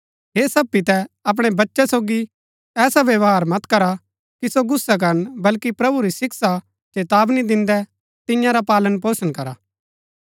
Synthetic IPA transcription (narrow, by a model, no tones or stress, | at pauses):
ɦeːsɐpːit̪ɛɐp̬ɽ̃ɛbɐtːʃɛsoːɡi | ɛːsaʋjɐʋaːɾmɐt̪kɐɾa | kisoɡʊsːak̬ɐɾənbɐlkipɾɐbuɾisɪksa | t͡ʃeːt̪aːbnid̪ɪ̃nd̪ɛ | t̪ɪ̃jãɾapaːlənpoːsənkɐɾa